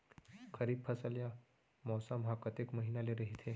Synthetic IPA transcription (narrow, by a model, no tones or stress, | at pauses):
kʰəɾiːppʰəsəlja | mɔsamɦakət̪ekməɦinaleɾəɦit̪ʰe